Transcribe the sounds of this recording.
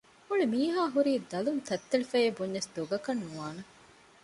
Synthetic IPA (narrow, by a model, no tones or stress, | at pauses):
uɭimiːɦaːɦuɾiːd̪ɐlunt̪ʰɐt̪ːeɭifejebuɲːɐsd̪oɡɐkɐnːuʋaːne